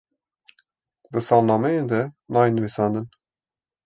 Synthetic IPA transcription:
d̪ɨsɑːlnɑːmɛjend̪ɛnɑːjenɨvisɑːnd̪ɨn

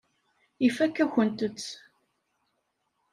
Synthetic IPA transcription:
ifækːæçənt̪ət͡sː

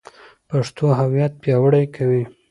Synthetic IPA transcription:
paʂt̪oɦawjat̪̚pjɑwəɽajkʰawi

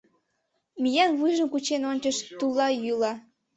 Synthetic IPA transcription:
mijɑnβujʒəmkut͡ɕenonʲt͡ɕəʃt̪ulɑjylɑ

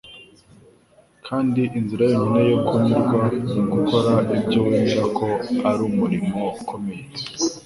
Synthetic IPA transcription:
kʰaːndiʔinziɾajominejokumiɾɡwaniɡukʰo̞ɾaibɟoweːmiɾakʰo̞aɾumuɾimo̞ukʰo̞meje

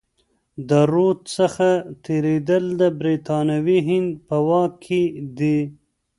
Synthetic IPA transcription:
d̪əɾot̪səxat̪eɾed̪əld̪əbɾet̪ɑnawiɦɪnd̪̚pəwɑkʰːed̪i

